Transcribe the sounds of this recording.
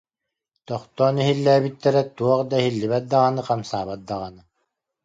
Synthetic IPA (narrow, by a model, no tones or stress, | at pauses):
t̪ɔχt̪ɔːniɦilːɛːbit̪ːɛɾɛt̪uɔqd̪ahilːiβɛt̪̚d̪aʁanɯqamsaːβat̪̚d̪aʁanɯ